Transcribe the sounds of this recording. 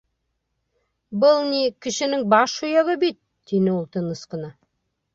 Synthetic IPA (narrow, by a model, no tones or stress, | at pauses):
bəlˠnʲikʲɪʃɪ̆nɪŋbɑʃujɑʁəbit̪̚ | d̪̥enɪwolˠt̪ənə̆sqənɑ